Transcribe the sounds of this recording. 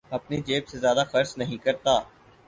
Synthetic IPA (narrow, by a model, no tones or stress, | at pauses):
ɐpnid͡ʒeːbsezjaːd̪axəɾsnɐɦĩkɐɾt̪aː